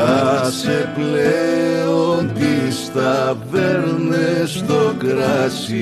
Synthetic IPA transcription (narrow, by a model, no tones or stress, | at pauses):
ɐseple | ot̪ist̪ɐveɾnest̪oɡɾɐsi